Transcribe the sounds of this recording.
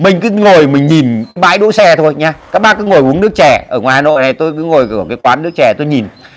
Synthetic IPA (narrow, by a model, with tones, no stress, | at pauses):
mï˨˩ŋ̟kɨ˨˦ŋo˨˩jmï˨˩ŋ̟ɲi˨˩nkɓa̰ː˧˥˨jɗṵ˧˥sɛ˧t̪ʰo˧jɲaː˧kaː˦˥k̚ɓaː˦˥kɨ̰˧˦ŋo˨˩jʔu˨˦ənɨ˦˥ək̚t͡ɕɛ˧˩ʔəː˧˩ŋwaː˨˩haː˧no̰˧˨jna˨˩jt̪o˧jkɨ˨˦ŋo˨˩jkːkaː˨˦jkwaː˨˦nːɨ˦˥ək̚t͡ɕɛ˧˩t̪o˧jɲi˨˩n